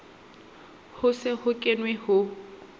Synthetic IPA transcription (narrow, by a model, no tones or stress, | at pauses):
hʊsɪhʊkʼɪnwɪhʊ